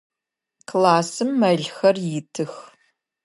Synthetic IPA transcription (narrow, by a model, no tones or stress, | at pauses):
kʰlaːsɨmːɐɮxɐrjɪtʰɨx